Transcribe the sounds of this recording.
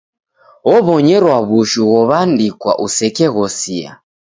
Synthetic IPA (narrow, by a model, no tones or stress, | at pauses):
ɔβɔɲɛɾwaβuʃuɣɔβandikwa̰ʔusɛkɛɣɔsia̰